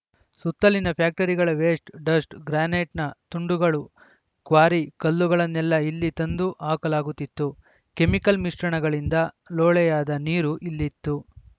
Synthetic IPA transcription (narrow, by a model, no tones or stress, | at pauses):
sut̪ːɐlinɐpʰjaːk̚ʈɐɾiɡɐɭɐʋeːsʈɖɐsʈɡɾaːneːʈnɐt̪uɳɖuɡɐɭu | kʋaːɾikɐlːuɡɐɭɐnːɛlːɐilːit̪ɐnd̪uʔaːkɐlaːɡut̪ːit̪ːu | ke̞mikɐlmiʂʈɾɐɳɐɡɐɭind̪ɐ | lɔːɭɛjaːd̪ɐniːɾuʔilːit̪ːu